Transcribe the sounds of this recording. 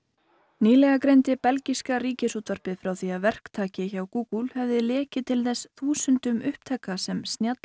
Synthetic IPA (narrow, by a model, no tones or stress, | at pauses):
niːlɛɣakɾejnt̪ɪpɛlciskaɾiːcɪsuːt̪vaɾ̥pɪðfɾawθiaðvɛr̥kt̪ʰaːcɪçawkuːkulhɛvðɪlɛːcɪt̪ʰɪlθɛsθuːsʏnt̪ʏmʏhp̚t̪ʰɛːkːasɛmst̪njat̪l